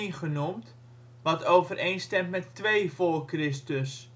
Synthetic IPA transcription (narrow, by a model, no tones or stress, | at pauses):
nχənumt | ʋɑtowvərejnstɛmtmɛtːʋejvolkrɪstəs